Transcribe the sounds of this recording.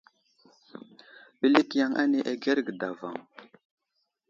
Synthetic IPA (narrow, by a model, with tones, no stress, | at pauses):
ɓə˦li˦kja˦ŋʔa̰˦ne˦ʔa˨ɡe˦ɾɡə˨da˨va̰˨ŋ